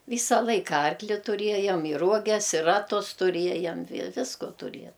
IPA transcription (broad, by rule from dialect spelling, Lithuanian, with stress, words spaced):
ˈʋʲiːsɐ ˈlˠɐɪkɐ ˈɐrklʲɪ tʊˈrʲiɛjɛm ɪ ˈruɔɡʲɛs ɪ ˈrɑːtʊs tʊˈrʲiɛjɛm ʋʲɪ ˈʋʲɪskoː tʊˈrʲiɛ